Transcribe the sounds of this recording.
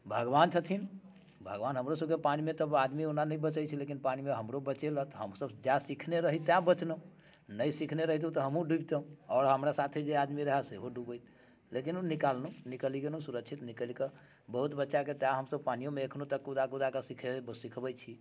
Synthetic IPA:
bʱəɡʋant͡ʃʰət̪ʰin | bʱəɡʋanɦəmɾosəbkepanimet̪əbad̪mionanəjbət͡ʃəjt͡ʃʰilekinpanimeɦəmɾobət͡ʃelət̪ɦəmsəbd͡ʒasikʰneɾəɦit̪ːjãbət͡ʃnəũ | nəjsikʰneɾəɦit̪ũt̪ɔɦəmɦũɖubt̪əũɔːɾɦəmɾasat̪ʰed͡ʒead̪miɾəɦɛseɦoɖubəjt̪̚ʰ | lekinunikalnũnikəliɡenũsuɾəkt͡ʃʰit̪nikəlikə | bəɦut̪bətːʃaket̪ãɦəmsəb̚panijomeəkʰnot̪əkːud̪akud̪akəsikʰebsikʰbəjt͡ʃʰi

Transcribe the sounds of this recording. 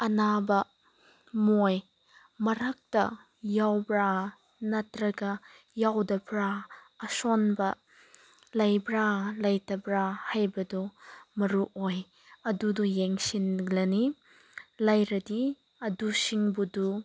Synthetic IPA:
ʔɐnabɐ | mɔj | mɐɾak̚tɐ | jawbɾa | nɐtɾɐɡɐ | jawdɐbɾaː | sɔnbɐ | lɐjbɾalɐjtɐbɾahɐjbɐdɔmɐɾuʔɔj | ɐdudɔjɛŋsinɡlɐni | lɐjɾɐdi | ɐdusiŋbudu

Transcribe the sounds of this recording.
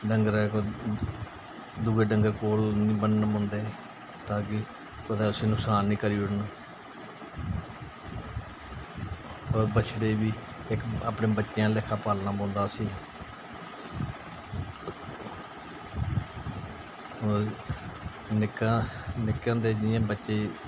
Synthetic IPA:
ɖəŋɡəɾɛːkː | d̪uːɡeːɖəŋɡəɾkoːɾnĩːbənnbõːnd̪eː | t̪ãːkɪ | kəd̪eːʊsĩːnʊksaːnːĩːkəɾiːʊɽn | ɔːɾbət͡ʃʰɽeːbiː | ɪka̰ːpɳẽːbətːʃjãːlɪkʰːaːpaːlnaːbõːnd̪aːsĩː | nɪkãːnɪkːãːd̪eːd͡ʒɪjãːbətːʃeː

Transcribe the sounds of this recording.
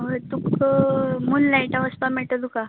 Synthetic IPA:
ət̪uk | munlaiʈaʋəspameɭʈ̪əd̪uka

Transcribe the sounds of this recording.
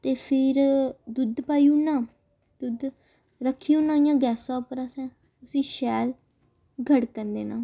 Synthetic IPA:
t̪eːpʰɪɾd̪ʊd̪paːiuːnãː | d̪̥ʊd̪ | ɾəkʰːijũːnãːijãːɡɛːsãːpəɾasɛ̃ː | ʊsĩːʃɛːl | ɡʱəɽkənd̪eːnãː

